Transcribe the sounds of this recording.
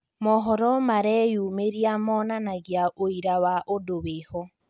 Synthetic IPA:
mɔɦɔɾɔmaɾɛjumeɾiamɔnanaɣjaʔoiɾawaʔodowehɔ

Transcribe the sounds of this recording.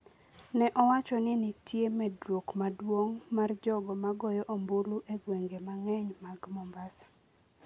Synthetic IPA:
nɛʔɔwat͡ʃɔnɪnɪtʰjemɛdwokmadwoŋmard͡ʒɔɡɔmaɡɔjɔʔomboluʔeɡweŋɡemaŋɛɲmaɡmɔmbasḁ

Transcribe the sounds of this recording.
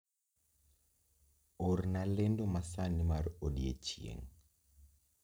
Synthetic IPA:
oɾnalendomasanimaɾodiḛt͡ʃiḛŋ

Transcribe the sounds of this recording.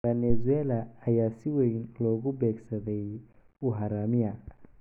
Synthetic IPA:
bɛnɛzʊɛːlɐːjaːsɪwɛjnlɔːɣʊbɛːɡsɐðɛj | ʊɦaɾaːmɪjɐ

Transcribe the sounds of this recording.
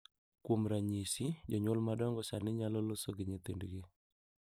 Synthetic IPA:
kwomɾaɲisid͡ʒɔɲolmadɔŋɡɔsanɪɲalɔlosoɡiɲetendiɡe

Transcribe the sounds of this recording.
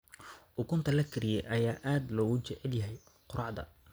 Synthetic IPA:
ʔʊkʊnt̪ʰɐlɐkʰɪɾɪjɛjʔɐjaːʔaːd̪lɔːɣʊt͡ʃɛʕɛljɐɦɛj | qʊɾʔɑʕd̪ɐ̰

